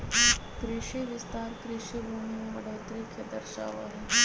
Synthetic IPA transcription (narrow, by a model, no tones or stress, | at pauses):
kɾɪʃiʋɪst̪aːɾkɾɪʃibuːnimeʋɐɖʱaːt̪ɾikʰɐd̪ɐɾʃa̰ːʋa̰ɦɛ